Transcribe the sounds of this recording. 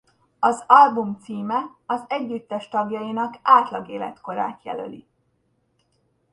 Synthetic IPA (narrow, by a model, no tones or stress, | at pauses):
ɒzɒlbumt̪siːmɛɒzɛɟːyt̪ːɛʃt̪ɒɡjɒjinɒkaːt̪lɒɡeːlɛ̰t̪ko̞ɾa̰ːt̪jɛ̰lø̰lḭ